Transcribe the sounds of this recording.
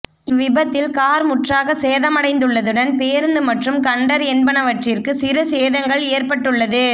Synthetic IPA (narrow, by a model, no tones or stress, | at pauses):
ɪʋɪbɐt̪ːɪlkaːɾmʊʈraːɣɐseːðɐmɐɽɐɪnd̪ɯɭːɐðɯɽɐnpeːɾɯnd̪ɯmɐʈrɯmkɐɳɖɐɾɛnbɐnɐʋɐʈrɪrkɯsɪɾɯseːðɐŋɡɐɭeːrpɐʈːɯɭːɐðɯ